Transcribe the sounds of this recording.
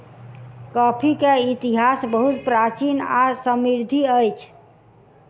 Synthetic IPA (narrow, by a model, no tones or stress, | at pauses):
kɔpʰikeit̪iɦasbəɦut̪pɾat͡ʃina̰səmiɾd̪ʱiəjt͡ʃʰ